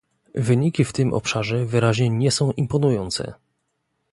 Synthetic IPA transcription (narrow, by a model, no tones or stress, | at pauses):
vɘɲikʲift̪ɘmʔɔ̰pʂaʐɛvɘɾaʑɲɛɲɛsɔ̃w̃ʔimpɔnujɔnt̪sɛ̰